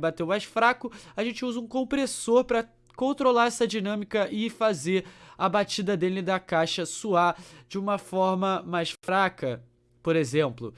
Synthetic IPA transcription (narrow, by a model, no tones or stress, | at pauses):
bat̪ewmajʃfɾakʊaʒẽnt͡ʃɪuzɐũkõmpɾesoɾpɾɐ | kõnt̪ɾolaɛsɐd͡ʒinɐ̃mikɐʔɪfazeɾɐbat͡ʃid̪ɐd̪elɪd̪ɐkajʃɐsuad͡ʒɪũmɐfɔɾmɐmajsfɾakɐ | poɾezẽmplʊ̰